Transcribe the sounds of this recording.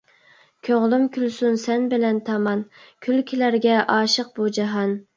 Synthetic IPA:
kʲʰøʁlˠymkʲʰylsunsɛnbɪlɛnt̪ʰɑmɑnkʲʰylkʲʰilæɾɡʲɛʔɑːʃəq̚b̥ud͡ʒɑɦɑn

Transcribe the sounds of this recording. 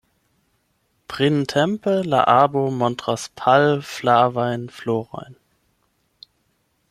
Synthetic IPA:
pʁ̥intʰɛmpəla̰ʔaːbomɔntʁ̥aspʰalflaɐvaɪnfloːʁa̰ɪn

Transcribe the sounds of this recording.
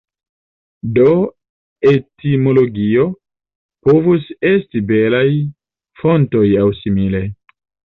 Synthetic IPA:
do | etimo̞lo̞ɡio | povuse̞stibelaj | fo̞nto̞jawsimile̞

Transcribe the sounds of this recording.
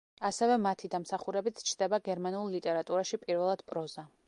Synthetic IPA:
asɛvɛmat̪ʰid̪amsaχuɾɛbit̪sʰt͡ʃʰd̪ɛbaɡɛɾmanulˠlit̪ʼɛɾat̪ʼuɾaʃipʼiɾvɛlˠad̪̥pʼɾɔza

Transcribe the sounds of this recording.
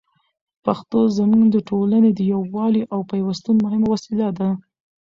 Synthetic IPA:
paxt̪ozəmuŋɡd̪əʈʰolaned̪əjawːɑliʔawpajwast̪unmʊhɪmawasilad̪a

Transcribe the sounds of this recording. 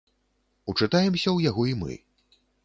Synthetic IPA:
ut͡ʂɨt̪ajɛmsʲɐwjaɣɔimɨ̰

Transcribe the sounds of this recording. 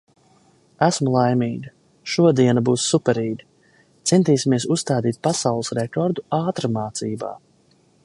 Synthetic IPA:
æsmulˠajmiːɡa | ʃuɔd̪iɛnabuːsːupɛɾiːɡi | t̪sɛnt̪iːsʲimiɛsusst̪aːd̪iːt̪̚pasawlˠɨsɾɛkɔɾd̪uaːt̪ɾamaːt̪siːba̰ː

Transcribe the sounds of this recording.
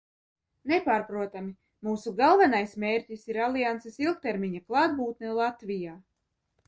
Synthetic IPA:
nepaːɾpɾuɔt̪ami | muːsuɡalˠvanajsmʲeːɾʲcisiɾalˠijant̪sisilˠk̚t̪ɛɾmʲiɲaklˠaːd̪̚buːt̪nɛlˠat̪vijaː

